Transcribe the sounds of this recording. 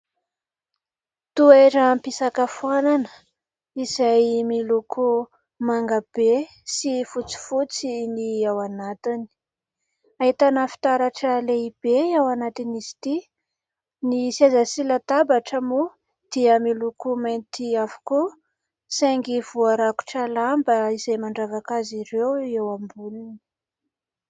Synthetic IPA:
t̪ueʈ͡ʂaampisakəfuananə̥ | izajmiluku | maŋɡab̥e | sifut͡si̥fut͡siniawanat̪ini̥ | aɦit̪anafi̥t̪aɾaʈ͡ʂəleib̥eawanat̪inisi̥t̪i | nisazasilat̪abaʈ͡ʂəmu | d̪̥iəmilukumant̪iavu̥ku | saŋɡiv̥uaɾaku̥ʈ͡ʂalambəiz̥ajmaɳɖ͡ʐavakaziɾewewambulini̥

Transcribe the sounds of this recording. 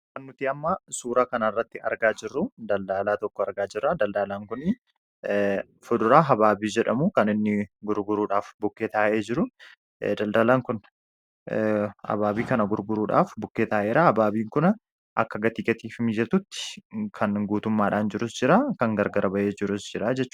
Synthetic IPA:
kɐnːʊt̪iːɐmːɐsuːɾaːkɐnɐɪrːɐt̪ːɪɐ̰ɾɡaːd͡ʒɪrːʊd̪ɐld̪aːlaːt̪ɔkːɔɐɾɡaːd͡ʒɪrːad̪ɐld̪aːlaːŋkʊnɪ | fʊd̪ʊɾaːɦɐbaːbiːd͡ʒɛᶑɐmukɐnɪnːɪɡʊɾɡʊɾuːᶑaːfbʊkːeːt̪aːʔe̞ːd͡ʒɪɾʊ | d̪ɐld̪ɐlaːŋkʊn | hɐ̰baːbiːkɐnɐɡʊɾɡʊɾuːᶑa̰ːfbʊkːeːt̪aːʔe̞ːɾahɐbaːbiːŋkʊn | ʔɐkːɐɡɐt̪iːkʼɐt̪iːfɪmid͡ʒɛt̪ʊt̪ːɪ̥kʰɐnɡuːt̪ʊmːaːᶑaːnd͡ʒɪɾʊsd͡ʒɪɾaːkɐŋɡɐɾɡɐɾɐbɐʔe̞ːd͡ʒɪɾʊsd͡ʒɪɾaːd͡ʒɛt͡ʃːʊ̥

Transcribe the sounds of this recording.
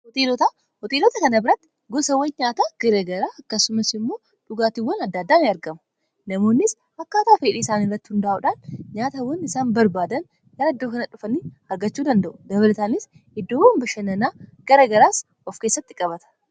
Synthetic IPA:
hɔt̪eːlɔt̪aː | hɔt̪eːlɔt̪ɐkɐnɐbɪɾɐt̪ːɪ̥ | ɡɔsɐwːɐnɲaːt̪aːɡ̥ɐɾɐɡɐɾaːɐkːɐsʊmɐsɪmːo̞ː | ᶑʊɡaːt̪ɪwːɐnɐd̪ːaːd̪ːaːnɪɐɾɡɐmɐ̥ | nɐmo̞ːnːɪs | ɐkːaːt̪aːfeːᶑiːɪsaːnɪrːɐt̪ːɪhʊnd̪aʔʊᶑaːnɲaːt̪ɐwɐnɪsaːnbɐɾbaːd̪ɐn | ɡɐɾɐɪd̪ːoːkɐnɐᶑʊfɐniː | ɐɾɡɐt͡ʃːuːd̪ɐnd̪ɐʔʊd̪ɐbɐlɐt̪aːnɪs | ɪd̪ːoːwɐmbɐʃɐnɐnaːɡ̥ɐɾɐɡɐɾaːs | ʔɔfke̞ːsːɐt̪ːɪkʼɐbɐt̪ɐ̥

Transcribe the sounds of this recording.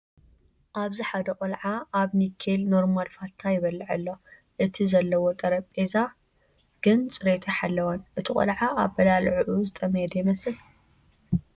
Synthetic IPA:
ʔaβziħad̪ɐqʼɐlʕaʔaβnikʰːelno̞ɾmalfalt̪ʰːajɪβɐlːɨʕɨlːo̞ | ʔɨt̪ʰizɐlːɐwot̪ʼɐɾɐpʼeza | ɡ̥ɨnt͡sʼɨɾet̪ʰɐħalːɐwɐnʔɨt̪ʰikʼɐ̰lʕaʔaβbɐlalʕʕuzɨt̪ʼɐmjɛd̪ɐjɪmɐsɨl

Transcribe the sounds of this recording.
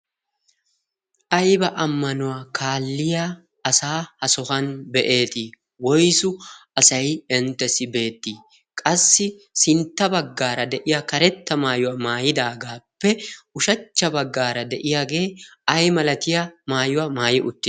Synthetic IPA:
ʔɐjbɐʔɐmːɐnʊwaːkʰaːlːɪja | ɐsaːhɐsɔhɐnbɛʔe̞ːt̪ɪ | wɔjsʊɐsɐjɛnt̪ːɛsɪbe̞ːt̪ːiː | kʼɐsːɪsɪnt̪ːɐbɐɡːaːɾɐd̪ɛʔɪjakɐɾɛt̪ːɐmaːjʊwaːmaːjɪd̪aːɡaːpːɛʊʃɐt͡ʃːɐbɐɡːaːɾɐd̪ɛʔɪjaːɡe̞ːɐjmɐlɐt̪ɪjamaːjʊwamaːjɪʔʊt̪ː

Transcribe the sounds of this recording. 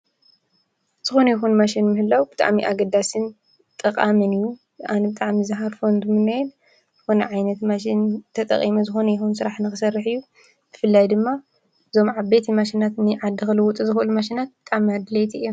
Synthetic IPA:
z̥ɨxonɐjɛxunmaʃinmɨhɨlːawbɨt̪ʼa̰ʕmiʔaɡɐd̪asɨn | t̪ʼɐkʼamɨnɨjːu | anɐbɨt̪ʼaʕmizɨɦaɾfond̪umɨnɐjɛn | zɨxonɐ̰ʕajnɐt̪maʃ̬int̪ʰɐt̪ʼɐ̰χʼimɐzɨxo̞nɐjɛxunsɨɾaħnɨxɨsɐrːɨħɨjːu | b̥ɨfɨlːajd̪ɨmːa | ɨzo̞mʕaβbet̪ʰimaʃinat̪nɨʕad̪ːɨxɨlɨwut̪ʼɨzɨxʔɨlumaʃ̬inat̪̚bɨt̪ʼaʕmiad̪ɨlejt̪ʰiɨjːom

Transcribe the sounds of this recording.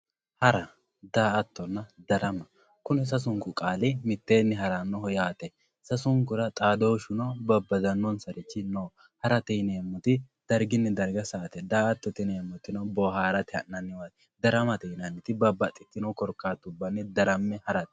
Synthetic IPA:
hɐɾɐ | d̪aːʔɐt̪ːɔnːɐd̪ɐɾɐmɐ | kʊnɪs̬ɐs̬ʊŋkʊkʼaːlɪmɪt̪ːe̞ːnːɪɦɐɾɐnːɔɦɔjaːt̪ɛ | sɐsʊŋkʊɾɐt̪ʼaːd̪oːʃʊnɔbɐbːɐzɐnːɔnsɐɾɪt͡ʃːɪnoː | hɐɾɐt̪ɛneːmːɔt̪ɪ | d̪̥ɐɾɡɪnːɪd̪ɐɾɡɐsɐːt̪ɛd̪aːɐt̪ːɔt̪ɪneːmːɔt̪ːɪnobɔɦaːɾɐt̪ɪɐ̰nːɐnːɪwat̪ | d̪ɐɾɐmɐt̪ɛnɐnːɪt̪ɪbɐbːɐt̪ʼːɪt̪ːɪnɔkɔɾkːaːt̪ːʊbːɐnːɪd̪ɐɾɐmːɛhɐɾɐt̪

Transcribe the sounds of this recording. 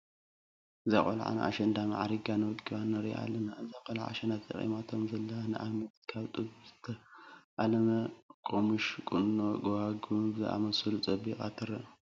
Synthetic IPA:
ʔɨza̰χʼo̰l̰ʕa̰na̰ʔa̰ʃɐnd̪ama̰ʕaɾiɡanɨwɨkʼɨβanːɐɾiʔa̰lːɐnaɨzakʼɐlʕa̰ʃɐnat̪ʰɐ̰χʼḭmat̪ʰomzɐlːɐanɨʔamɐt̪kʰaβt̪ʼɨbzɨt̪ʰːɐʔalɐmɐkʼomuʃkʼunːoɡohaɡubzɨʔa̰mɐsɨlut͡sʼɐbikʼa̰t̪ʰɨɾɐ

